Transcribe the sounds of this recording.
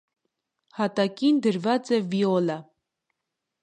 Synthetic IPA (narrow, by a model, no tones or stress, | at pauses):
hɑt̪ɑkind̪əɾvɑt͡sɛviɔlə